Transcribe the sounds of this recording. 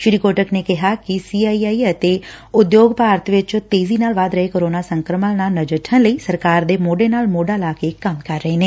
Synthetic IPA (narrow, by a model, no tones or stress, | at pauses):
ʃɾiːkoːʈəkneːkɪɦaːkɪsiːaːiːaːiːət̪eːʊd̪joːɡpaːɾət̪ʋɪt͡ʃt̪eːziːnaːlʋaːd̪ɾəɦeːkoːɾoːnaːsəŋkɾəməlnaːlnəd͡ʒəʈʰə̃nləiːsəɾkaːɾd̪eːmoːɖeːnaːlmoːɖaːlaːkeːkəmkəɾːəɦeːneː